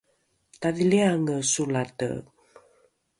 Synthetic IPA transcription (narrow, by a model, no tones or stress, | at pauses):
taðiliaŋəsulatə̰